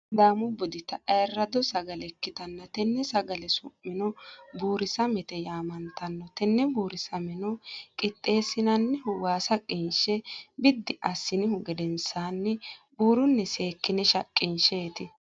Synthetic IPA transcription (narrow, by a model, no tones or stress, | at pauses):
d̪aːmʊbɔd̪ɪt̪ɐɐjɛrːɐd̪ɔsɐɡɐlɛkːɪt̪ɐnːɐt̪ɛnːɛsɐɡɐlɛsʊmːɪnɔbuːɾɪsɐmɛt̪ɛjaːmɐnt̪ɐnːɔt̪ɛnːɛbuːɾɪsɐmɛnɔkʼɪt̪ʼːe̞ːsɪnɐnːɛhʊwaːsɐkʼɪnʃɛbɪd̪ːɪʔɐsːɪnɪhʊɡɛd̪ɛnsaːnːɛbuːɾʊnːɛseːkːɪnɛʃɐkʼːɪnʃeːt̪ɪ